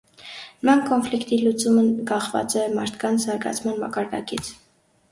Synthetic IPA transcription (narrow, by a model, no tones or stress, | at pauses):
nəmɑnkɔnflikt̪ilut͡suməɡɑχvɑ̰t͡sɛmɑɾt̪ʰkʰɑnt͡sʰzɑɾɡɑ̰t͡sʰmɑnmɑ̰kɑɾd̪ɑ̰kit͡sʰ